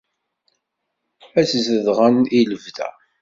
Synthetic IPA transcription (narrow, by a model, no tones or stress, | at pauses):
æszəðʁəniləvðæ̰